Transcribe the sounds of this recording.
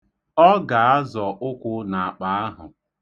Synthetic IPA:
ɔ˦ɡa˨a˦zɔ˨ʔʊ˦kʷʊ˦na˨a˨k͡pa˨a˦ɦʊ̰˨

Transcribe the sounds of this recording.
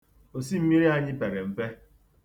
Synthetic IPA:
o˨si˦m̩˦mi˦ɾi˦a˦ɲɪ˦pe˨ɾe˨m̩˨fe˦

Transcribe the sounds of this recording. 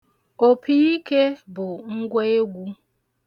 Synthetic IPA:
o˨pʰi˦i˦ke˦bʊ˨ŋ̩˦ɡʷe˦e˦ɡʷu˦

